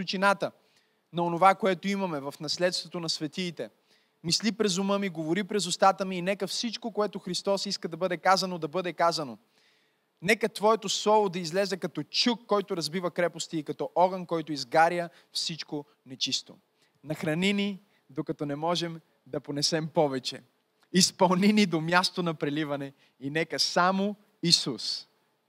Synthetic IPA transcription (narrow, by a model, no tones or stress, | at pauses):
ut͡ʃinat̪ə | nɐonovakoɛt̪oimɐmɛvɐfnɐslɛt̪st̪vot̪onɐsvɛt̪iːt̪ɛ | mislipɾɛzʊmɤmiɡovoɾipɾɛzʊst̪at̪əmiːnɛkəfsit͡ʃkokoɛt̪oxɾist̪ɔsiskəd̪ɐbɤd̪ɛkazɐnod̪ɐbɤd̪ɛkazɐno | nɛkət̪vɔɛt̪oslˠɔvod̪ɐizlɛzɛkɐt̪ɔt͡ʃukːɔjt̪ʊɾɐzbivɐkɾɛpʊst̪iːkɐt̪ɔʔɔɡənkɔjt̪ʊizɡaɾjə | fsit͡ʃko | nɛt͡ʃist̪o̰ | nɐxɾɐnini | d̪okɐt̪ɔnɛmɔʒɛm | d̪ɐponɛsɛmpɔvɛt͡ʃɛ̰ | ispɐlˠninid̪omjast̪onɐpɾɛlivɐnɛ | inɛkəsamo | isus